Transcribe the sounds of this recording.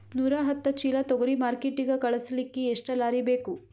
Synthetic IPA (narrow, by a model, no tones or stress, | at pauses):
nuːɾaɦɐt̪ːɐt͡ʃiːlɐt̪ɔɡɐɾimaːɾkeʈːiɡɐkɐɭɐsɐlikːeːʂʈɐlaːɾibeːku